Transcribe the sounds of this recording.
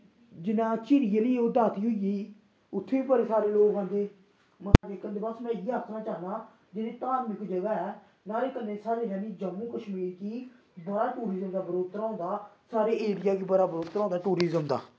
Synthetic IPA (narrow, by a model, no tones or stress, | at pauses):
d͡ʒɪnãːt͡ʃɪɾɪjeliːʊd̪aːt̪iːɦʊijiː | ʊt̪ʰːeːiːbəɾeːsaːɾeːloːkãːnd̪eː | mət̪ad͡ʒeːkənd̪eːbəsmɛ̃ːiːəːkʰnaːt͡ʃaːɦnaː | d͡ʒɪnẽːt̪aːɾmɪkʰːd͡ʒeːɡaːɛː | naːleːkənẽːsaːɾeːd͡ʒaːniːd͡ʒəmːũːkəʃmiːɾkiː | bəɽaːʈuːɾiːzəmd̪aːbəɾoːt̪ɾãːnd̪aː | saːɾeːʔeːɾɪjaːkiːbəɾaːbəɾoːt̪ɾãːnd̪aːʈuːɾiːzəmd̪a̰ː